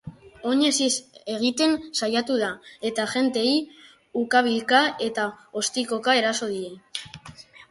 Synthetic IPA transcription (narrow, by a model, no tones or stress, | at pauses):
o̞ɲe̞sise̞ɣ̞it̪e̞nsajat̪uð̞ae̞t̪aʝe̞nt̪e̞i | ukaβ̞ilkae̞t̪ao̞st̪iko̞kae̞ɾaso̞ðie̞